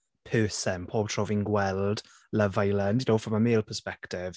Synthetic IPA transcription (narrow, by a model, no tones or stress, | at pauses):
pʰɜːsənpʰɔːbtʰɹ̥ɔvɪ̃ŋɡwɛlˠd̥ | ləvaɪləndjnoːfɹə̃məmeːlˠpʰəspɛktɪv̥